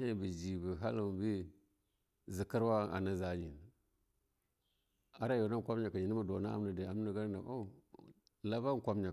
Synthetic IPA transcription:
e˦˨bi˨d͡ʒi˨bi˨ɦa̰˦lbi˦ | zi˨ki˦ɾwa˦a̰˨na˦za˦ɲi˨n | a˦ɾa˦jo˨na˦˨kʷa˦mɲa˨ka˨ɲi˨ni˦ma˨do˨na˦a̰˨mna˨di˨a˨m˦na˨ɡa˦ɾna˨a˦˨ | la˦ba˦ŋ˨kʷa˦mɲa˨

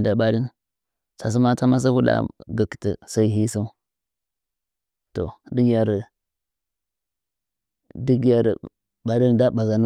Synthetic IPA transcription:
da˨ɓa˦di˦n | sa˨s̬i˦ma˦ta˦ma˦s̬a˦ku˦da̰˨ɡə˨kti˨sa˦i˦ɦi˦su˦ | to̰˨di˦ɡja˨ɾ | di˦ɡja˨ɾ | ba˨di˦nda˦ba˨za˨n˦

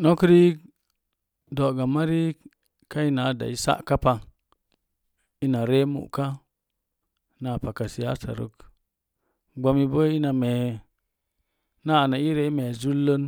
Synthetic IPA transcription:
no˦ki˦ɾi˦ | do˨ɡa˨ma˦ɾi˦ | ka˦i˦na˨˦da̰˨i˦sa̰˦ʔka˦pa˨ | i˦na˨ɾe˦mṵ˨ka˦ | na˨pa˨ka˨si˨ja̰˦sa̰˨ɾṵ˦k | ɡ͡ba˧˦mi˦bo˦i˦na˨me˨ | na˦˨na˨i˦ɾe˦i˦me˨zu˦lːo˦n

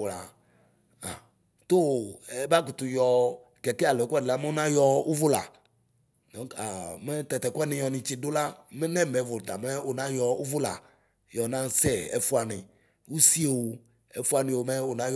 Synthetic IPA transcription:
la˨ | a̰˨ | t̪o˦ɛ˦ba˦k̬u˨t̪u˨jɔ˨ | kɛ˨kɛ˦a˨lkʷwɛ˦dɪ˨la˦me˦o˦nã˦jɔ˦u˦vʊ˦la̰˨ | nɔ̃˨˦a˨mɛ˦t̪ɛ˨t̪ɛ˨kɛ˦nɪ̃˨jɔ˨nɪ̃˨t͡ʃi˨do˦la˦me˦nɛ̃˦˨mɛ˨˦vo˨t̪a̰˨mɛ˦o˨nã˦jɔ˨u˦vʊ˦la̰˨ | jɔ˨nã˦sɛ˦ɛ̰˦fu˦a˨nɪ̃˨ | wu˦si˦e˨wo˨ | ɛ˦fu˦a˨nɪ̃˨wo˨mɛ˦o˨nã˦j

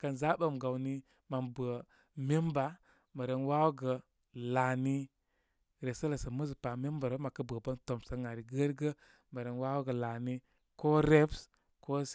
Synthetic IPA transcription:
kə˧nza˦ɓə˦˨mɡa˨wni˦ | ma˨mbə˨ | me˦mba˨˦ | mə˨ɾə˧nwa˦wɡə˨ | la˨ni˦ | ɾe˨sə˦lə˨sə˨mə˦zpa˨me˦mba˨ɾo˦ma˨kə˦bə˨bə˦nto˨msə˧ŋa˨ɾi˨ɡə˦ɾɡə˦ | mə˨ɾe˨nwa˦wɡə˨la˨ni˦ | ko˦ɾe˦ps | ko˦

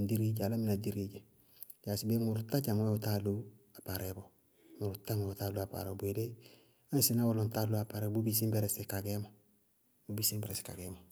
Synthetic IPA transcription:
ndi˦ɾi˦ɟa˨la˦mi˦na˨di˦ɾi˦ɟe˨ | ja˨sibe˦ŋu˨ɾuta˦ɟa˨ŋwe˦uta˦lua˨pa˨ɾebo | mu˨ɾuta˦ŋweu˨ta˦lu˦a˨pa̰˨ɾobu˨ede˦ | a˦nsi˦na˦wo˦lo˨nta˦lu˦a˨pa˨ɾe˦bu˦bis̬i˦mbe˦ɾesikaɡe˦mo | bubi˦si˦mbeɾesi̥ka̰˨ɡemo

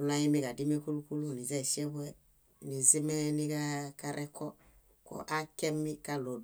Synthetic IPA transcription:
u˦la˦ɲi˦mi˦ka˨di˦m˦e˦ku˦lu˦ku˦lu˦˨ni˨zɛ˦˨ʃi˦ɛ˦bwɛ˦˨ | ni˨zi˦mɛ˦ni˦ɡa˦ka˦ɾʔɛ˦kɔ˦ | kɔ̰˨ʔa˦kɛ˦mːi˦ka˦lo˨d

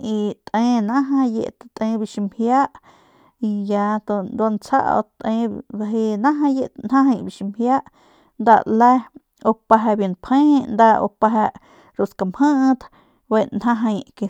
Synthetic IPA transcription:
i˧t̪ʼʔẽ˧˦nã˦ɦã˧jḛ˧ʔt̪at̪ẽ˧bi˧˨ʃi˧mhja˦ʔ | i˧ja˧t̪o˧nd̪a˧nt͡sʰa̰˦ʔo̰˧t̪ẽ˧a˧ɦe˧nã˦ɦã˧je˧nhã˦ɦa˧jbi˧ʃi˧mhja˦ʔ | nd̪a̰˧lɛ˦ | o˧pa˧ɦa˧bje˧˨npʰẽ˦nd̪a˧ʔo̰˧pa˧ɦa˧ʔ | ɾu˧ska˧˨mhə˦ʔt̪ | be˧nɦã˦ɦã˧jke˧

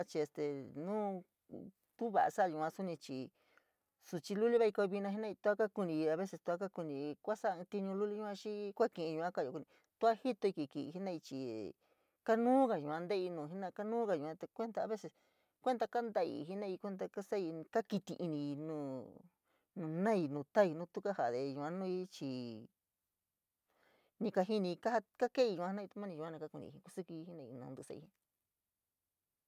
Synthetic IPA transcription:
a˦t͡ʃi˧e˧st̪e˨nũː˦ | t̪u˦βa̰˨ʔa̰˧sa˦˧ju˧˨˧ã˧su˦nĩ˧t͡ʃi˧ | su˧t͡ʃi˧lu˦li˦βa˦i˧ko˧βi˧nã˧ɦi˦nã˦˧i˧t̪u˦a˦ka˦ku˧nĩ˧a˧βe˦se˧t̪u˧a˦ka˦ku˧nĩ˧kʷa˦sã˦˧t̪i˧ɲũ˧lu˦li˦ɲũ˦˧˦ã˦˧t͡ʃi˦kʷa˦kĩ˧˨ʔĩ˧ɲũ˧ã˦ka˦˨jo˧˨ku˧nĩ˧ | t̪u˦a˦hi˦t̪o˧i˧ki˨kḭ˧˨˧ɦi˦nã˦˧i˧t͡ʃi˨ | ka˦nũː˦ka˧ʒũ˨ã˧nd̪e˦i˧nũ˨˧˨ɦi˦nã˦˧ka˦nũː˦ka˧jũ˨ã˧t̪e˧kʷe˦nd̪a˧a˧βe˦se˧s | kʷe˦nd̪a˧ka˦nd̪a˧ḭ˧ɦi˦nã˦˧i˧kʷe˦nd̪a˧ka˦sa˦i˧ka˦ki˧t̪i˧ʔi˧nĩ˧nũ˦˨ | nũ˧nã˦i˧nũː˨˧t̪a˦i˧nũ˦˧t̪u˦ka˦ha˨ðe˧ʒũ˧ã˧˦nũ˦i˦t͡ʃi˧ | nĩ˧ka˧ɦi˦nĩ˧ka˦ha˦ka˦ke˦i˧ũ˧˨˧ã˦nã˦˧i˧t̪u˧˦mã˦nĩ˧ʒũ˧a˦nã˧ka˦ku˧nḭ̃˧˨ĩ˧ku˦su˦ki˧i˧˦i˦nã˧i˧nṵ̃ː˧nd̪u˧sa̰˧ḭ˧ĩ˧

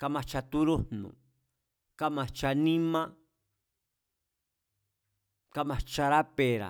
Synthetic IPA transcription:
ka˧mã˧t͡ʃa˧t̪u˦ɾu˦nṵ̃˨ | ka˦mã˨t͡ʃa˧nĩ˦mã˦ | ka˦mã˨t͡ʃa˧ɾa˦pe˨ɾa̰˨

